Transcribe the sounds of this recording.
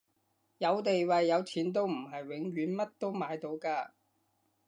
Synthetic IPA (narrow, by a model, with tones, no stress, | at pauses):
jɐ˨˧wt̪e˨jwɐ˨jːɐ˨˧wt͡sʰiː˨˥nt̪o˥wm̩˨˩ɦɐ˨jwɪ˨˧ŋɥyː˨˥nmɐ˥t̚t̪o˥wmaː˨˧˥jt̪o˨˧wkaː˧